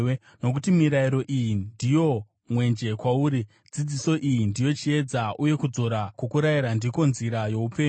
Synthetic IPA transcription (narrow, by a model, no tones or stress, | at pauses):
no̞k̬utimiɾaiɾo̞ʔijindijo̞ | mwe̞nd͡ʒe̞kwauːɾi | d͡zid͡ziso̞ʔijindijo̞t͡ʃie̞d͡zaʔuje̞kud͡zo̞ɾakwokuɾaiɾandiko̞nziɾajo̞upeː